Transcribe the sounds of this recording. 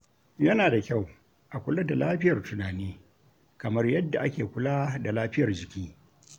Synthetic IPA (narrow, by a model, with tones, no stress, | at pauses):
jɐ˦naː˨da˨kʲa˦˨w | ʔa˨kʷʊ˦la˦da˨laː˦ɸɪ˦jɐ˨rtʊ˨naː˨niː˦ | kɐ˨mɐ˦rjɐ˦dːa˨ʔa˦kʲeː˨kʷʊ˦laː˦da˨laː˦ɸɪ˦jɐ˨rd͡ʒɪ˨kʲiː˦